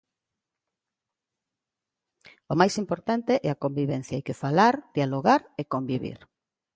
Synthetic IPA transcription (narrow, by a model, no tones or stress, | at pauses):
omajsimpoɾt̪ant̪eʔɛakombiβɛn̟θjaajkefalaɾd̪̥ialoɣaɾekombiβḭɾ